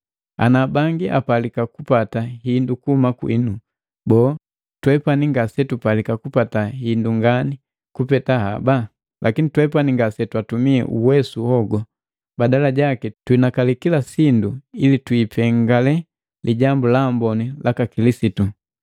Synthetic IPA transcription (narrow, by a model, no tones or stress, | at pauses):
a̰nabaŋɡiʔa̰palikakupataɦindukuhumakwḭnu | bɔː | twɛpaniŋɡasɛtupalikakupatahinduŋɡani | kupɛtahaba | lʔakinitwɛpaniŋɡasɛtwatumiɛ̰ʔuwɛsuhɔɡɔ | badalaɟakɛtwinakalikilasinduilitwipɛŋɡalɛ | lʔiɟambulambɔnilʔakakilisitu